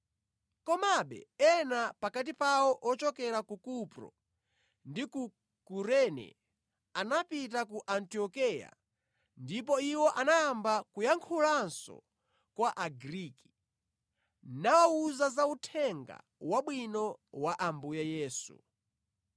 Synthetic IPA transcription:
kɔmaɓɛ̰ɛnapakat̬ipawɔʔɔt͡ʃɔkɛɾakukupɾɔ̰ | ndiku | kuɾɛnɛ̰ | anapit̬akuʔantiɔkɛja̰ | ndip̬ɔiwɔʔanaːmbakujaŋkʰulansɔ̰ | kwaʔaɡɾiki̥ | nawauzazautʰɛŋɡa̰ | waɓwinɔwaʔambujajɛːsṵ

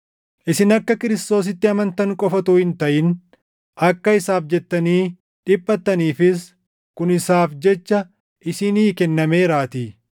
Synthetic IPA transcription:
ʔɪsɪnɐkːɐkɪɾɪst̪o̞ːs̬ɪt̪ːɪɐmɐnt̪ɐŋkʼɔfɐt̪uːhɪnt̪ɐʔɪn | ɐkːɐɪsaːfd͡ʒɛt̪ːɐniː | ᶑɪpːɐt̪ːɐniːfɪs | kʊnɪsaːfd͡ʒɛt͡ʃːɐ | ʔɪsɪniːkɛnːɐme̞ːɾaːt̪i

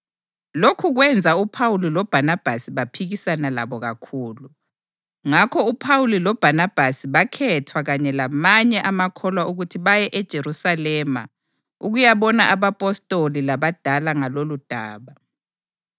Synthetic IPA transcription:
lokʰuɣwɛnd͡zʱaupʰawulilɔb̥ʱanab̥ʱasiβapʰiɣisanala̰βɔɣakʰuːlu | ŋakʰɔupʰawulilɔb̥ʱanab̥ʱasiβakʰɛtʰwaɣaɲɛlamaɲɛʔamakʰɔlwauɣutʰiβajɛʔɛd̥ʒ̥ʱeɾusalɛma̰ | uɣujaβɔnaʔaβapʼɔstʼolilaβad̥ʱalaŋalolud̥ʱa̰ːβa

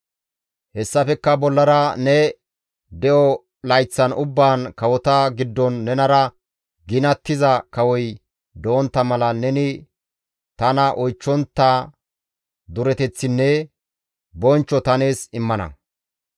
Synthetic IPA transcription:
hɛsːɐfɛkːɐbɔlːɐɾɐnɛ | d̪ɛʔɔ | lɐjt͡sːɐnʊbːaːnkɐwɔt̪ɐɡɪd̪ːɔnːɛnɐɾɐ | ɡɪnɐt̪ːɪzɐkɐwɔj | d̪oːnt̪ːɐmɐlɐnɛnɪ | t̪ɐnɐʔɔjt͡ʃːɔnt̪ːɐ | d̪ʊɾɛt̪ɛt͡sːɪnːɛ | bɔnt͡ʃːɔt̪ɐne̞ːsɪmːɐnɐ̰

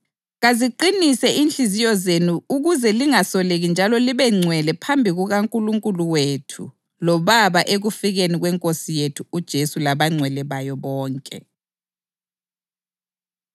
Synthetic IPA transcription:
ɣaziǃinisɛʔinɬizijɔzenuuɣuzɛliŋasɔleɣind͡ʒʱalɔliβɛŋ͡ǀʱwɛlɛpʰambʱiɣuɣaŋkʼuluŋkʼuluwetʰṵ | lɔβaβaʔeɣufiɣeniɣwɛŋkʼosijetʰuːd̥ʒ̥ʱesulaβaŋ͡ǀʱwɛlɛβajɔβɔːŋkʼɛ̰

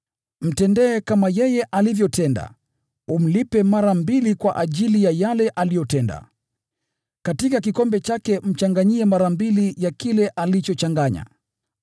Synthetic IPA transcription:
m̩tɛndɛːkamajɛjɛʔalivjɔtɛnda̰ | um̩lipɛmaɾambilikwaʔaʄilijajalɛʔalijɔtɛnda̰ | katikak̬ikɔmbɛt͡ʃakɛm̩t͡ʃaŋɡaɲiɛmaɾambilijakilɛʔalit͡ʃɔt͡ʃaŋɡaɲa̰

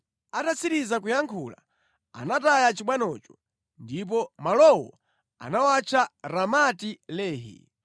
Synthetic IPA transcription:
atasiɾizakujaŋkʰula | a̰natajat͡ʃiɓwanɔt͡ʃɔ̥ | ndip̬ɔmalɔwɔ̰ | a̰nawat͡ʃʰaɾamatilɛːɦḭ

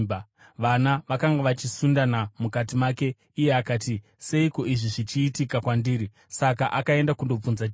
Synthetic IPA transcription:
ʋanaʋakaŋɡaʋat͡ʃisundanamukatimaːke̞ | ije̞akaːti | se̞iko̞ʔiʐiʐit͡ʃiːtikakwandiːɾi | sakaʔakae̞ndakundo̞p͡funza

